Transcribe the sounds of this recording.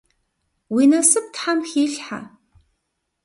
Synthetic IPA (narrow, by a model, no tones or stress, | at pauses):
wiːnɐsɨp̚tħamxiːɬħa̰